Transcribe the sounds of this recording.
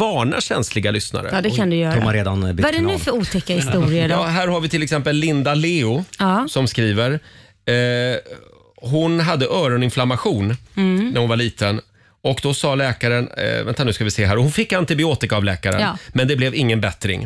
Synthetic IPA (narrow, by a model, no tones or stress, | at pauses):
ɑːɳa̰ɕɛnslɪɡalʏsna̰ɾə̰d̪ɛkʰand̪ɵjœːɾɔmaɾeːd̪anbvaɖɛnʉːfœɾuːt̪ʰɛkːahɪst̪uːɾɪəɑɦæːɾɦaɾvɪt̪ʰɪlːɛksɛmpəlːɪnd̪aleːʊːsɔmskɾiːvəɾ | ɦʊnɦad̪ːəʔœːɾɔnɪnflamaɧuːnnæɾhʊnvaɭiːt̪ʰən | ɔkd̪ɔsɑːlɛːkaɾən̰vɛnt̪anʉ̟ːskavɪseːɦæːɾɔhʊnfɪkːant̪ɪbɪoːt̪ɪkaːvlɛːkaɾə̰nmɛnd̪ɛblɛvɪŋːənbɛt̪ɾɪ̰ŋ